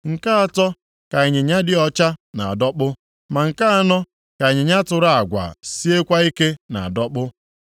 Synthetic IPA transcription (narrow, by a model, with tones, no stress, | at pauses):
ŋ̩˨ka˦a˦tɔ˦ | ka˨e˨ɲe˨ɲa˦dɪ˦ɔ˦t͡ʃa˦na̰˨a̰˨dɔ˦k͡pʊ˦ | ma˨ŋ̩˨ka˦a˦nɔ˦ | ka˨e˨ɲe˨ɲa˦tʊ˨ɾa˦˨a˨ɡʷa̰˨si˦e˦kʷa˦i˦ke˦na˨a˨dɔ˦k͡pʊ˦